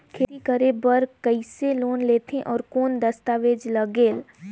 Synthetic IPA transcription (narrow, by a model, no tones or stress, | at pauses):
kʰeːt̪ikəɾebəɾkəɪseloːnleːt̪ʰẽʔɔːɾkoːnd̪əst̪aʋeːd͡ʒləɡeːl